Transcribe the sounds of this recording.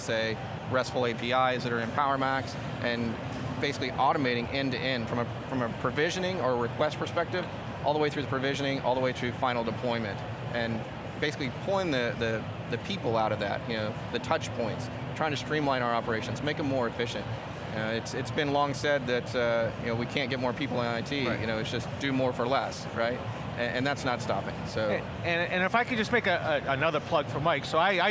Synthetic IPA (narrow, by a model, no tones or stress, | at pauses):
seɪ | ɹɛstfl̩ˠeɪpʰiaɪɨzðɨɾə˞ɨ̃npʰaʊə˞mæks | ʔɨ̃n | b̥eɪsɪ̥kliʔɑɾɨmeɪɾɪ̃ŋʔɪ̃ntɨ̰ʔɛ̃nd̥fɹʌ̃mɨ | fɹʌ̃mɨpʰɹ̥ɨvɪʒɨ̃nɪ̃ŋə˞əɹɨkʰw̥ɛst̚pʰə˞spɛk̚tɨv̥ | ʔɔ̰lˠðəweɪθɹʉðɨpʰɹ̥ɨvɪʒɨ̃nɪ̃ŋʔɔ̰lˠðəweɪθɹʉfãɪnl̩ˠdəpʰl̥ɔ̃ɪ̃mɨ̃nt | ʔɨ̃n | b̥eɪsɨklipʰɔ̃ɪ̃nðɨðɨ | ðɨpʰipl̩ˠaʊɾʌvðɨ̰t̚jɨnoʊ | ðɨtʰʌt͡ʃpʰɔ̃ɪ̃nts | tʰɹ̥aɪɪ̃ŋtʰɨstɹ̥ĩmlãɪ̃ɾ̃aʊə˞ɑpə˞eɪʃɨ̃n̩zmeɪkə̃mmɔɹɨfɪʃɨ̰̃nt̚ | jɨnoʊɨtsɨtsb̥ɨ̃nlɔ̃ŋsɛd̪̚ðɨtʰʌjɨ̰noʊwikʰæ̃nɡɛt̚mɔɹpʰipl̩ˠə̃naɪtʰijʔɨ̰ñoʊɨsd̥ʒ̥ʌsd̥ɨmɔɹfə˞lɛs | ɹaɪt̚ | ʔɨʔɨ̰̃nðætsnətstɑ̰pɪ̰̃ŋsoʊ | ɨ̃nɨ̃nɨfaɪkɨ̃nd͡ʒʌsmeɪkɨəənʌðə˞pʰl̥ʌɡ̥fə˞maɪksoʊaɪaɪ